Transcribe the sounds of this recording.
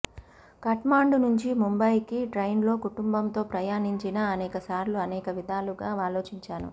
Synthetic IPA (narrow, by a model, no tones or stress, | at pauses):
kɐʈmaːɳɖunuɲt͡ʃimumbɐjkiʈɾɐjnlo̞ːkuʈumbɐnt̪o̞ːpɾɐjaːniɲt͡ʃinɐɐnɛːkɐsaːɾluɐnɛːkɐʋid̪ʱaːluɡaːaːlo̞ːt͡ʃiɲt͡ʃaːnṵ